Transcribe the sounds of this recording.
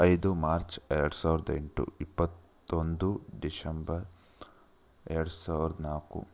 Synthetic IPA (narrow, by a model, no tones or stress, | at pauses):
ɐjd̪umaːɾt͡ʃɛɾɐɽusaːʋɾɐd̪eɳʈṵipːɐt̪ː | ond̪uɖisɐmbɐɾ | ɛɾɐɽusaːʋiɾɐd̪ɐnaːkṵ